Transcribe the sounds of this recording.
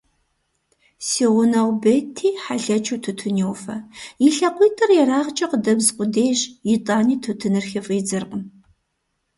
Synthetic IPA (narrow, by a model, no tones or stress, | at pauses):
siːʁʷʊnɐwbetʰiːħaɬɐt͡ʃʰuːtʰutʰʊnewfɐjiɬɐqʷiːtʰʼɨrjɛɾaːʁt͡ʃʼɐqədɐbzqʷʼʊdeːɕjitʼaːniːtʰutʰɨnɨrxɪfʼiːd͡zɨrqʼəm